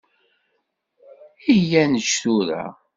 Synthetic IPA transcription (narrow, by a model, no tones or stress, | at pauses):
ijænəʃθuɾæ̰